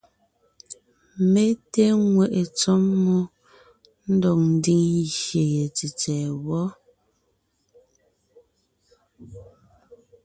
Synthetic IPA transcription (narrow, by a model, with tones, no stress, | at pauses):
me˦te˦ŋwɛ˦˨ʔe˨t͡sɔ˦mːɔ˦ | n̩˦dɔ˨k̚n̩˦di˦ŋʃje˨je˨t͡si˨t͡sɛ˨wɔ˦